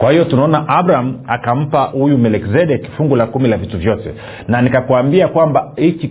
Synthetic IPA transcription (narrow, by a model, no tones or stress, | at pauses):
kwahijɔtunaɔnaʔabɾaam̩akam̩pahujumɛlɛkzɛɗɛkfuŋɡulakumilavituvjɔtɛ̰ | nanikakuambiakwambahit͡ʃi